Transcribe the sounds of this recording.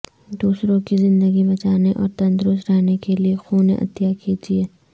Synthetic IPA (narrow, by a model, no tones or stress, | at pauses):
d̪uːsɾõkizɪ̃nd̪əɡibɐt͡ʃaːneʔɔːɾt̪ɐ̃nt̪ɾʊsɾaɦnekeliexuːnḛ̃ʔɐ̰t̪jakid͡ʒiɛː